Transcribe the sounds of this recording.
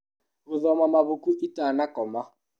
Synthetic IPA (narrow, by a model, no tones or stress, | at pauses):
ɣʊðɔmamaβukuʔitanakɔma